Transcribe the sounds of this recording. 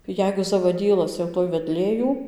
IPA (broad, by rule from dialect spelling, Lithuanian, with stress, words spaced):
ˈjɛɪɡʊ zɐʋɐˈdʲiːlˠɐs jɛʊ ˈtoːj ʋʲɛˈdʲlʲeː ˈjuː